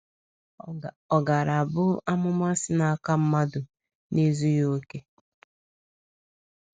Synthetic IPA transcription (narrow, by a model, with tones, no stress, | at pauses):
ɔ˨ɡa˨ɾa˨bʊ˦a˦mʊ˦ma˦sɪ˦na˨˦˨ka˦m̩˦ma˦dʊ˨ | ne˦zu˦jo˦ke˦